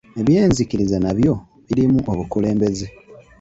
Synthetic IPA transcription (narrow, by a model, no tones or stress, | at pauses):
e̞βje̞ːnzikiɾizanaβjo̞ | βiɾimuʔoβukule̞ːmbe̞ze